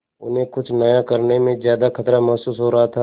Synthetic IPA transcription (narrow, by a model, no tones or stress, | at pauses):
ʊ̰nɦẽkʊt͡ʃʰnɐjakɐɾnemẽzjaːd̪akʰɐt̪ɾamɐɦsuːsɦoɾɐɦat̪ʰa